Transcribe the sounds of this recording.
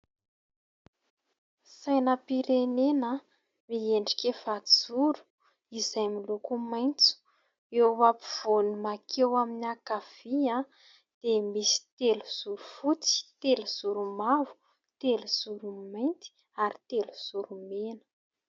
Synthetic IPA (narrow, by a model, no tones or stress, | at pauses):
sajnəpiɾenenə | mieɳɖ͡ʐi̥kʲefazuɾu̥ | izajmilukumajnt͡su̥ | eapiv̥onimakʰewaminiakav̥iã | d̪̥emisi̥t̪eluz̥uɾufut͡si̥t̪eluz̥uɾumavu̥ | t̪eluz̥uɾumajnt̪i̥ | aɾit̪eluz̥uɾumenə̥